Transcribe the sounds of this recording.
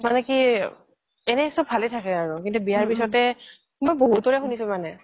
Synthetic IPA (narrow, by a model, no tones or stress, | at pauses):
manɛki | ɛnɛsɔb̚bʱalɛtʰakɛaɹukintubijaɹpisɔtɛ | mɔjboɦutːɔɹɛxunisʊ̃manɛ